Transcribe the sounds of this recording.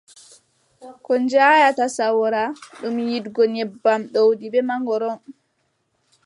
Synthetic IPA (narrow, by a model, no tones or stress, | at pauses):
kɔnd͡ʒaːjatasawɾaɗumjidɡɔnɛbːamɗowdibɛmaŋɡɔɾɔn